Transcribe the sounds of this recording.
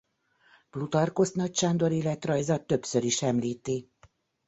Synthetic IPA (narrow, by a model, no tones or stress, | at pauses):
b̥lut̪ɒrko̞st̪nɒcʃaːnd̪o̞ɾilɛt̪rɒjzɒt̪ø̞psøɾiʃɛmliːt̪i